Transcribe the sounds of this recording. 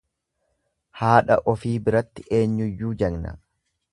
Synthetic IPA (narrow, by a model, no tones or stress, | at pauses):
haːᶑɐʔɔfiːbɪɾɐt̪ːɪʔe̞ːɲːʊjːuːd͡ʒɐɡnɐ̰